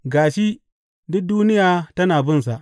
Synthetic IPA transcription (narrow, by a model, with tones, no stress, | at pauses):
ɡaː˨ʃi˦ | dʊ˦k̚duː˦nɪ˦jaː˨tɐ˦naː˨bɪ˦ns̬a˨ʔ